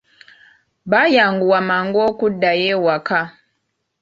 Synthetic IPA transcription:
bajaŋɡuwamaŋɡɔkudajɛwaka

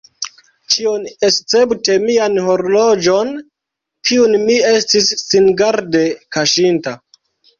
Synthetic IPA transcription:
t͡ʃionest͡se̞bute̞mianho̞ɾlo̞d͡ʒo̞n | kʰiunmie̞stisːinɡaɾde̞kaʃinta

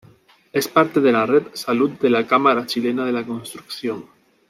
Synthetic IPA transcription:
espaɾt̪eð̞elaret̪salut̪̚d̪elakamaɾat͡ʃilenaðelakonst̪ɾukθjoŋ

